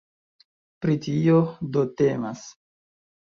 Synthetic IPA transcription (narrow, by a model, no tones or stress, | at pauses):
pɾitiodote̞mas